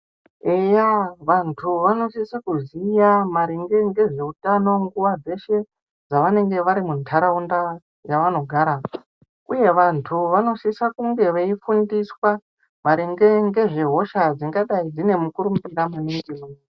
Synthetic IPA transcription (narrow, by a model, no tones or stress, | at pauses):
ejaʋantʰuʋano̞sisakuzijamaɾiŋɡe̞ŋɡe̞ʐe̞utano̞ŋɡuʋad͡ze̞ʃe̞ | d͡zaʋane̞ŋɡe̞ʋaɾimuntʰaɾaunda | jaʋano̞ɡʱaɾa | uje̞ʋantʰuʋano̞sisakuŋɡe̞ʋeifundiswa | maɾiŋɡe̞ŋɡe̞ʐe̞ɦo̞ʃad͡ziŋɡaɗaid͡zine̞mukuɾumbiɾamuniŋɡemun